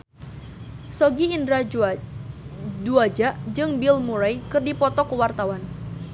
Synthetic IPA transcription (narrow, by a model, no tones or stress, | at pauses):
sɔɡiːndɾa | duad͡ʒaʔd͡ʒɨŋbilmuɾajkɨrdipɔt̪ɔkəwart̪awan